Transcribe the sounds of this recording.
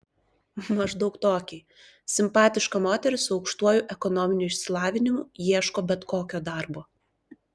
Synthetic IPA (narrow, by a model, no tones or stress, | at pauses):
mɐʒd̪ɒʊkt̪oːkʲeː | sʲɪmpɑːt̪ʲɪʃkɐmoːt̪ʲɛɾʲɪsʊɒʊkʃt̪uɔjʊʔɛkɔnɔmʲɪnʲuːɪʃʲsʲɪlˠɑːʋʲɪnʲɪmʊjiɛʃkoːbʲɛt̪koːkʲoːd̪ɑˑɾboː